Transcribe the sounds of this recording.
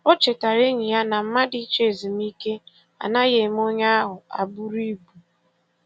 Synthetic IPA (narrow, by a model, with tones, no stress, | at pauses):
o˦t͡ʃe˨ta˨ɾe˦ɲi˨ja˦na˨m̩˦ma˦di˦t͡ʃe˦˨zi˨mi˦ke˦ | a̰˨na˦ɣe˨m˦o˦ɲa˦a˦ɦʊ˨a̰˨bu˦ɾi˦bu˨